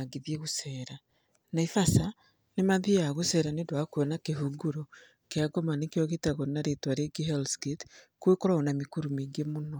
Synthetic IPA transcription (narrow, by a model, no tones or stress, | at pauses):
aɡiðjeɣusɛːɾa | naifasa | nemaðijaɣosɛɾanedwakwɛnakeɦuɡuɾo | keaɡɔmanekeɔɣetaɣonaɾetwaɾeɡiɦɛlsɡetkwekɔɾaɔnamikuɾumiŋɡemonɔ